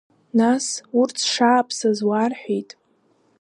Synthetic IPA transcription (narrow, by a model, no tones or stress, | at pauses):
nasurt͡sʰʂaːpʰsazwarħʷᶣijtʼ